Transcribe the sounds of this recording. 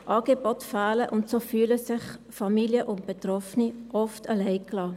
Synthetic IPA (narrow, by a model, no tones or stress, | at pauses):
ʔɑːɡebɔtfaːləʔʊntsoːfyːləsɪχfamiːljəʔʊnt̚b̥etrɔfniʔɔftʰalɛɪklɑː